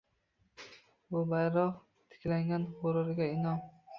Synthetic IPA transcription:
bʊbajɾɒq | t̪ʰɪ̥kʲlaŋɡʲanʁoɾɪɾɡʲaɪnɒm

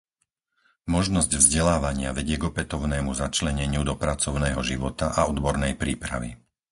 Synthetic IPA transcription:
mɔʒnɔzɟvzɟɛlaːʋaɲɪaʋɛɟɪɛɡɔpɛt̪ɔʊnɛːmuzat͡ʃlɛɲɛɲɪud̪ɔpɾat͡sɔʊnɛːɦɔʒiʋɔt̪aʔaɔd̪bɔɾnɛjpɾiːpɾa̰ʋḭ

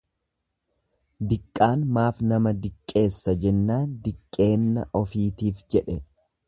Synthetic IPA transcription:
d̪ɪkʼːaːnmaːfnɐmɐd̪ɪkʼːe̞ːsːɐd͡ʒɛnːaːnd̪ɪkʼːe̞ːnːɐ̰ʔɔfiːt̪iːfd͡ʒɛᶑɛ

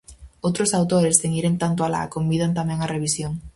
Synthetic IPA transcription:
owt̪ɾʊsawt̪oɾest̪eŋiɾeŋt̪ant̪ʊala̰kombiðant̪amɛ̃ŋɐreβisjoŋ

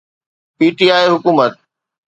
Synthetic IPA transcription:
piːʈiaːiɦʊkuːmət̪̚

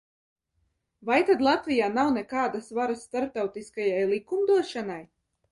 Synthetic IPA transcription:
vajt̪ad̪lˠat̪vʲijaːnawnɛkaːd̪asvaɾasːt̪aɾp̚t̪awt̪iskajajlˠikumd̪uɔʃanaj

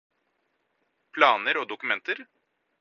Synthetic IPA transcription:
pʰlɑːnəɾoːd̪ʊkʉmɛnt̪əɾ

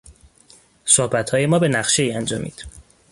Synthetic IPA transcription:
sohbæt̪ʰhɒːje̞mɒːbe̞næχʃe̞iːænd͡ʒɒːmʔḭːd̪̥

